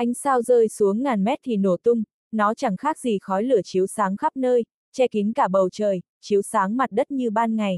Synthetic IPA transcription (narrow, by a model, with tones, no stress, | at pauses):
ʔa˧jŋ̟saː˧wzəː˧jsu˨˦əŋːaː˨˩nmɛ˦˥t̚t̪ʰi˨˩no˧˩t̪ʊ˧ŋ͡m | nɔ˨˦t͡ɕa˧˩ŋxaː˦˥k̚zi˨˩xɔ˨˦jlɨ˧˩ət͡ɕi˨˦əwsaː˨˦ŋxa˦˥p̚nəː˧j | t͡ɕɛ˧ki˨˦ŋkaː˧˩ɓə˨˩wt͡ɕəː˨˩j | t͡ɕi˨˦əwsaː˨˦ŋma˨˩t̚ɗə˦˥t̚ɲɨ˧ɓaː˧nŋa˨˩j